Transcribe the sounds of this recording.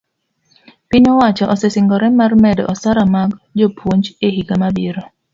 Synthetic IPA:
pɪɲɔwat͡ʃɔʔsɛsɪŋɡɔɾɛmarmɛdɔ̰ʔɔsaɾamaɡd͡ʒopʰwoɲd͡ʒehiɡamabiɾo

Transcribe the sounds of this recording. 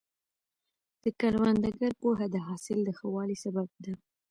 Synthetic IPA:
d̪̥əkaɾwand̪aɡaɾpoɦad̪əɦɑsɪld̪əxəwɑlisabab̚d̪a

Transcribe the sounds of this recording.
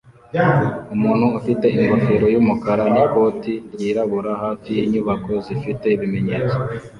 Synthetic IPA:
umuːn̥huufite̞iŋɡofeɾo̞juːmukaɾaniko̞ːtiɾjiːɾaβuɾahaːfijiɲuβako̞zifite̞iβime̞ɲeːt͡so

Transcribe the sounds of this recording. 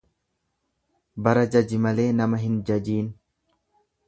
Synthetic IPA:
bɐɾɐd͡ʒɐd͡ʒɪmɐle̞ːnɐmɐɦɪnd͡ʒɐd͡ʒiːn

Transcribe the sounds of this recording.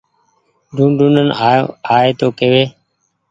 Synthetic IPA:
ɖʱũːnɖʱũːnənaːeːt̪oːkeːʋeː

